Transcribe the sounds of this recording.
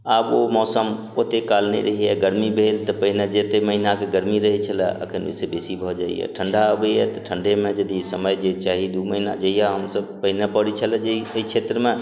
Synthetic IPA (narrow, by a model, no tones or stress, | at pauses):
abomɔːsəm | ot̪ekalnḛɾəɦiɛɡəɾmibʱelt̪ɔpəɦined͡ʒet̪eməɦinakeɡəɾmiɾəɦit͡ʃʰəlɛə̰kʰənḛsebesibʱɔd͡ʒaḭjɛ̰ʈʰəɳɖaəbəjɛt̪ɔʈʰəɳɖemẽd͡ʒəd̪isəməjd͡ʒet͡ʃaɦid̪uməɦinad͡ʒəijaɦəmsəb̚pəɦinepəɽit͡ʃʰəlɛd͡ʒeiəit͡ʃʰet̪ɾəmẽ